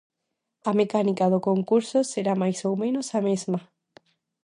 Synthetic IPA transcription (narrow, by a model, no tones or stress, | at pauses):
ɐmekanikaðokoŋkuɾsoseɾamajsowmẽnosamezma